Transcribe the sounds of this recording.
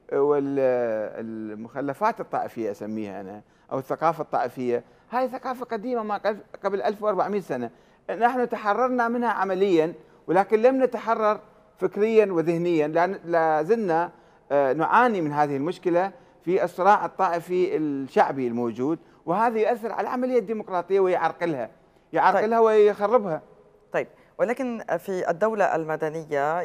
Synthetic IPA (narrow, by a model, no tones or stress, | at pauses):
wɪl̰ | lmʊxalːafaːt̪ɨt̪ˤːɑ̰ːʔɪfɪjːaʔasamːiːha̰ʔana | ʔa̰wɪθːaqɑːfɑt̪ˤːɑ̰ːʔɪfɪjːa | haːjθaqɑːfaqad̪iːmamaqaqablʔalfwʔɑɾˤbaʕmiːt̪sana | naħnut̪aħɑrˤːɑɾˤnamɪnhaʕamalɪjːan | wlaːkɪnlamnat̪aħɑrˤːɑɾˤ | fɪkɾɪjːanwɪðɪhnɪjːanalazɪmna | nʊʕaːnimɪnɦaːðɪhɪlmʊʃkɪla | fiʔɨsˤɨɾˤɑːʕɨt̪ˤːɑːʔɪfiɪlʃaʕbilmoːd͡ʒuːd̪ | wɪhaːðajʊʔaθːɪɾʕa̰laʕamalɪjːad̪ːiːmʊqɾˤɑːt̪ˤɨjːawɪjʕɑɾˤqɪlha̰ | jʕɑɾˤɪlhawɪjxɑrˤːɪbha | t̪ˤɑjb̚ | wɪlaːkɪnfiʔɪ̰d̪ːawlaʔa̰lmad̪anɪjːa